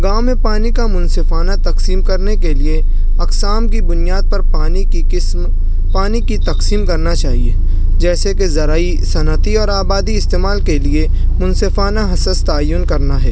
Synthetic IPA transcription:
ɡaːmːepaːnikamʊnsɪfaːnat̪ɐqsiːmkɐɾnekelie | ɐqsaːmkibʊnijaːd̪̚pɐɾpaːni | ɪsm | paːnikit̪ɐqsiːmkɐɾnat͡ʃaːɦieː | d͡ʒɛːsekezɐɾaːi | sɐnət̪iɔːɾaːbaːd̪iɪst̪eːmaːlkelie | mʊnsɪfaːnaɦɐsəst̪aːjʊnkɐɾnaɦɛ̰ː

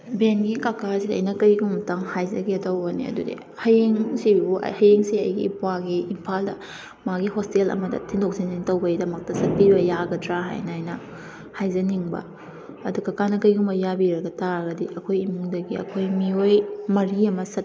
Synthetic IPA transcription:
benɡikakasiɐ̰jnɐkɐjɡummɐtɐŋhajzɐ̰ɡiɐtɐwbɐnḭɐ̰dudḭ | hɐjeŋsibṵhɐjeŋsiɐ̰jɡḭːpwaɡiimpʰaldɐ̰ | maɡiɦostelɐ̰mɐdɐ̰tʰiŋdok̚sinintɐwbɐjdɐmɐk̚tɐsɐt̚pibɐjaɡɐtɾaɦa̰jnɐjnɐ | hajzɐniŋbɐ̰ | ɐdukakanɐkɐjɡumbɐjabiɾɐɡɐtaɾɐɡɐdiʔɐkʰojimuŋdɐɡiɐ̰kʰojmiojmɐɾiɐmɐsɐt̚

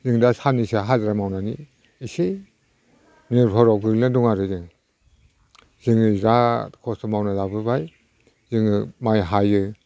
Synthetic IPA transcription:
zɯŋdasanisaɦalɾamawnaniː | se | niɾpʰɔɾɔɡɯɾlnɯdɔŋaɾɯzɯŋ | z̥ɯŋɯɾakʰɔsɔmawnazabɯbaj | zɯŋɯmajɦajɯ

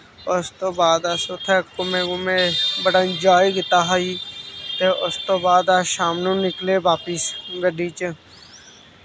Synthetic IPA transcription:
ʊst̪oːbaːd̪aːsʊt̪ʰɛːkːʊmẽːɡʊmẽːbəɽaːɪnd͡ʒaːiɡɪt̪aːɦaːiːt̪eːʊst̪oːbaːd̪aːʃaːmnũːnɪkleːʋaːpɪsɡəɖiːt͡ʃə

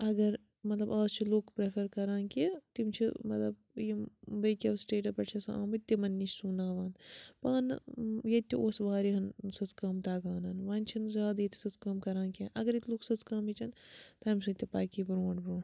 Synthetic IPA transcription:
ɐɡɐɾ | mɐt̪lɐbaːst͡ʃʰiloːkpɾepʰɐɾkɐɾãːnkit̪imt͡ʃʰimɐt̪lɐb | jibɐkʲɐsʈeːʈɐpɐʈt͡ʃʰɐsɐ̰a̰ːmɐt̪ʲːimɐnːit͡ʃʰsuːnaːʋaːnpaːnjɐt̪ʲːioːsʋaːɾiɦɐnsɐt͡skaːmt̪aːɡaːnɐːnʋaːnʲt͡ʃʰiɐnzʲjaːd̪jet̪ʲu̥sɐt͡skɐːmkɐɾãːnkiɐnɐɡɐɾit̪ʰloːksɐt͡skaːmit͡ʃʰɐnt̪aːmsɐt̪ʲːipaːkibɾuːɳʈbɾuːɳ

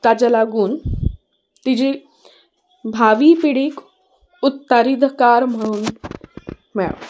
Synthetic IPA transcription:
t̪ad͡ʑalaɡuːn | t̪id͡ʑi | bʱaʋipiɽiːk | ut̪ːaɾid̪kaɾm̤əɽ̃uːn | mɛɭa̰

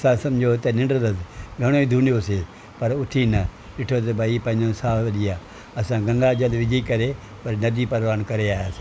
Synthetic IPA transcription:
sãːsɐmd͡ʒʱot̪ɐnɪ̃ɳɖd̪ɐsɡʱɐɽ̃oːĩd̪ʱuːnijoseː | pɐɾʊt̪ʰinɐ | ɗɪʈʰot̪̬ɐbaiːpɐ̃ɦɪ̃ɲd͡ʒõsaːʋɐɗijaː | ɐsãɡɐ̃ŋɡad͡ʒɐlʋɪd͡ʒikɐɾe | pɐɾnɐd̪ipɐɾʋaːnkɐɾeaːjas

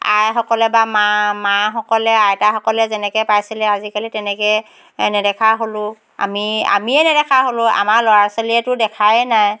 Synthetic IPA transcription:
a̰jxɔkɔlɛbamamaxɔkɔlɛajtaxɔkɔlɛzɛnɛkɛpajsilɛazikalitɛnɛkɛ | nɛdɛkʰaɦolʊ̃ | a̰mia̰miɛnɛdɛkʰaɦolʊ̃a̰maɹlɔɹasoliɛtʊdɛkʰajɛnaj

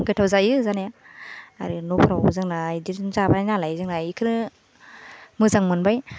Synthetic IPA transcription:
ɡɯtʰawzajɯzanaja | aɾɯnɔpʰɾawzɯŋnajdiɾzabaajnalajzɯŋnajikʰɯɾɯ | mɯzaŋmɯnbaj

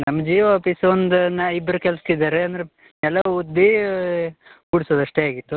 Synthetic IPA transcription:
nɐmːɐd͡ʒiːʋapisond̪unːɐibːɐɾukɛlst̪id̪aːɾeɐnd̪ɐɾe | ɛlːɐud̪ːi | buɽisoːd̪ɐʂʈeaːɡit̪ːu

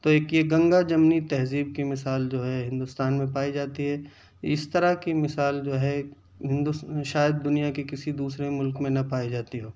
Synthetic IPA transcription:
t̪oeːkjeɡɐ̃ŋɡad͡ʒɐmnit̪ɛɦziːb̚kimɪsaːld͡ʒoːɦɛɦɪ̃nd̪ʊst̪aːnmẽpaːid͡ʒaːt̪iɦɛ | ɪst̪ɐɾakimɪsaːld͡ʒoːɦɛ | ɦɪ̃nd̪ʊʃaːjəd̪̚ːʊnijakekɪsid̪uːsɾemʊlkmẽnɐpaːid͡ʒaːt̪iɦoː

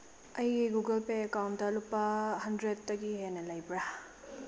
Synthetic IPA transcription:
ɐjeɡuɡɐlpeːkawntdɐlupːahɐndɾet̚tːɐɡiɦenɐlajbɾa

